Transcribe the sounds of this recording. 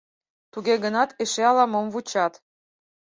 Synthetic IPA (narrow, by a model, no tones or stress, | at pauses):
t̪uɣeɣənɑt̪eʃeɑlɑmomvut͡ɕɑt̪